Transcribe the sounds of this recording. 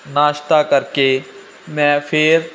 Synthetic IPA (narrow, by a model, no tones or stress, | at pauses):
naːʃt̪aːkəɾkeː | mɛ̃ːpʰɪɾ